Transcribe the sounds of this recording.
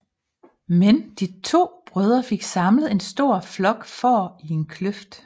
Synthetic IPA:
mend̥it͡sʰo̝̰ːb̥ʁøð̞ˠɐfe̝ɡ̥sɑ̈mləð̩ˠe̝nsd̥o̝ɐ̰flɒ̽ɡ̥fɒːie̝nkʰløfd̥

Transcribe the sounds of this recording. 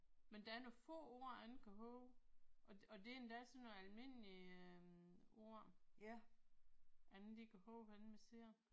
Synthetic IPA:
mend̥ææɐnofɔ̰̽ːo̝̰ːɐænn̩kʰæɦɔʊʔɒ̽ɒ̽d̥e̝end̥æsɒnːoælme̝n̰liø | o̝̰ɐ̰ | ʔænn̩d̥ikʰæhɔːʊæn̩mese̝ɐ

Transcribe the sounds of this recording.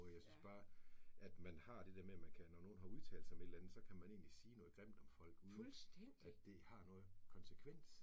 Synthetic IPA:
jɑ̈ɪsynsb̥ɑ̈ːʔæd̥mænhɑ̈d̥e̝d̥eɐmemænkʰænɒno̝ːn̩ɦɑ̈uðˠt͡sʰɛ̰ːld̥same̝d̥lænð̩ˠsɒ̽kʰæmæne̝̰ːnlisiːnɔ̽ːð̩ˠɡ̥ʁem̰d̥ɒ̽mfɒ̽l̰ɡ̥uðˠsd̥ | ædd̥e̝hɑ̈nɔ̽ːð̩ˠkʰɒ̽nsəkʰʋen̰s

